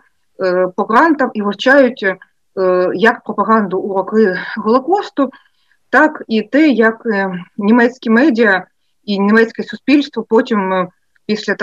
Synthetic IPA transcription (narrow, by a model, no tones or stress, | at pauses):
pɔɣɾɑnt̪ɐmiʋɐrt͡ʃɑjʊtʲ | jɐkpɾɔpɐɣɑnd̪ʊːɾɔkɪɣɔlˠɔkɔst̪ʊ | t̪ɑkit̪ɛjɐknʲimɛsʲkʲimɛdʲiɐ | inʲimɛsʲkɛsʊspʲilʲst̪ʋɔpɔtʲim | pʲisʲlʲɐ